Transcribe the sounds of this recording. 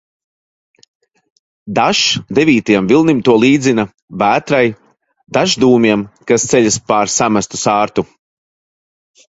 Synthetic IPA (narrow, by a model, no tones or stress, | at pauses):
d̪aʃd̪eviːt̪ajɛmvilˠnimt̪uɔlˠiːd̪zina | bæːt̪ɾaj | d̪aʒd̪uːmiɛmkast̪sɛʎʲaspaɾsamast̪u̥saːɾt̪u